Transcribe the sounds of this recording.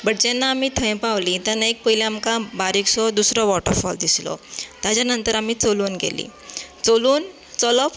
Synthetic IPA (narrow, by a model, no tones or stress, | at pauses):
bəɽd͡ʑɛnːaːmiːt̪ʰə̃j̃paʋlit̪anaek̚pəɦileamkabaɾiksɔd̪usɾɔʋɔʈə̰ɾfɔld̪islɔ̰t̪jat͡ɕanənt̪əɾamiːt͡soluːnɡḛlḭːt͡soluːn | t͡sɔlɔp